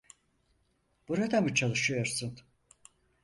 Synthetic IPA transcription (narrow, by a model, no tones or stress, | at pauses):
b̥uɾad̪amɯt͡ʃʰalˠɯʃɯjo̞ɾsun